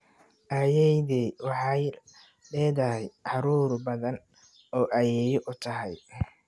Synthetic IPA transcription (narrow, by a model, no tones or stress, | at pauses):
ʔajɛjðɛwɑħɑj | lɛːðɐɦɛjʕɑɾuːɾbɐðɐn | ɔːʔɐjɛːjɔʔʊt̪ʰɐɦɛj